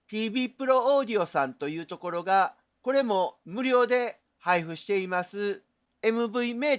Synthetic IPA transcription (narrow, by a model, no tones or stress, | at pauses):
t̪ʲiːbʲiːpɯ̟ɾo̞oːd̪ʲio̞sãnt̪o̞jɯ̟ːt̪o̞ko̞ɾo̞ɡa | ko̞ɾe̞mo̞mɯ̟ɾʲo̞ːd̪e̞ | haiɸɯ̟ɕi̥t̪e̞imasɨ | e̞mɯ̟bɯ̟ime̞ː